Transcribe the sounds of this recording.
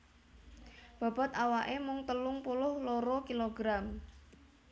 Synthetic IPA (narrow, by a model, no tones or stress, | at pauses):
b̥a̤b̥a̤t̪awaʔemʊŋt̪əlʊŋpulʊhloɾɔkiloɡɾam